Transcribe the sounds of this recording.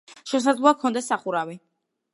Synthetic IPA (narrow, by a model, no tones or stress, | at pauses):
ʃɛs̬ad̪zlˠɔakʰɔnd̪asaχuɾavi